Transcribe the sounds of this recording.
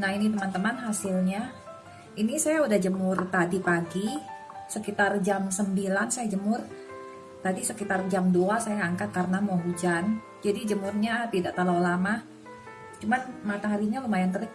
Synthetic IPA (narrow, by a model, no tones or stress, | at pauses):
nahinit̪əmant̪əmanɦasilɲa | inisajaudahd͡ʒəmʊrt̪adipaɡi | səkit̪ard͡ʒamsəmbilansajad͡ʒəmʊr | t̪adisəkit̪ard͡ʒamduasajaːŋkat̪̚kaɾənamuaɦud͡ʒan | d͡ʒadid͡ʒəmʊrɲat̪idaʔt̪alawlama | t͡ʃumanmat̪aŋɦaɾiɲalumajant̪̬əli